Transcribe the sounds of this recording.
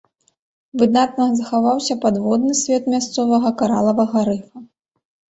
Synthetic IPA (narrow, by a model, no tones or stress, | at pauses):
vɨd̪nat̪̚nɐzɐxavawsʲɐpad̪vɔd̪nɨsʲvʲɛt̪mʲast̪sɔvɐɣɐkaɾalˠɐvɐɣɐɾɨfɐ